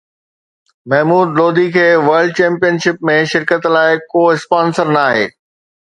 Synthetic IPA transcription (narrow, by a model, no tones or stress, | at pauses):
mɐɦmuːd̪loːd̪ikʰeːʋɐɾɖ̚t͡ɕɛ̃ːmpijənʃɪp̚mẽʃɪɾkət̪laːɪkoːɪspaːnsəɾnaːɦḛː